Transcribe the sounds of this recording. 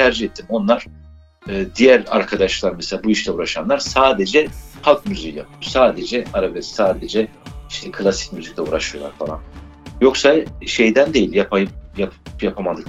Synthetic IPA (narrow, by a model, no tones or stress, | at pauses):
t̪ʰæɾd͡ʒihet̪ʰːimo̞nlˠaɾ̥ | ɯːd̪ijæɾa̰ɾkʰad̪aʃlˠaɾmɛselʲaːbuiʃlʲɛuɾaʃanlˠaɾsaːd̪e̞d͡ʒɛhalˠk̚myzijjapʰɯjo̞ɾsaːd̪e̞d͡ʒɛaɾabɛssaːd̪e̞d͡ʒɛiʃt̪ʰɛkʰɯlʲˠasi̥c̚myzic̚lʲɛṵɾaʃɯjo̞lˠaɾfalˠa̰njo̞ksaʃe̞jd̪ænd̪e̞jilʲjapʰajjapjapʰamad̪ɯk